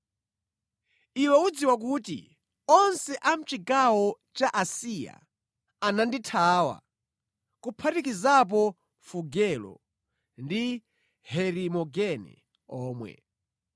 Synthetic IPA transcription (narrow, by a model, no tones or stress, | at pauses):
iwɛud͡ziwak̬utḭ | ɔnsɛʔam̩t͡ʃikawɔ | t͡ʃaʔasija̰ | ananditʰaːwa̰ | kupʰatikizap̬ɔ | fuɡɛlɔ̰ | ndi | hɛɾimɔɡɛnɛ̰ | ɔːmwɛ̰